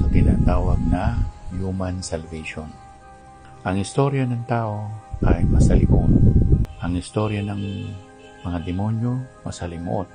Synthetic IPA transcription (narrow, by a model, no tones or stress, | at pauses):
t̪ɪna̰ːt̪aːwɐɡ̚najumansɛlvɛʃon | ʔɐŋɪst̪oɾjanɐŋt̪aːʔo̞kajmɐsɐlɪmo̰ʔt̪ʔɐŋɪst̪oɾjanɐŋ | mɐŋad̪ɪmonjomɐsɐlɪmo̰ʔot̪̚